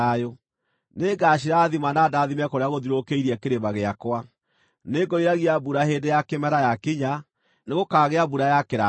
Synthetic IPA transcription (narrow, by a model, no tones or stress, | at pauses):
ajo | neɡaɕiɾaðimanadaðimɛkoɾeaɣoðiɾokeiɾiɛkeɾemaɣeakwa | neɡɔiɾaɣiabuɾaɦeːndejakemɛɾajakiɲa | neɣokaːɣeabuɾajakeɾa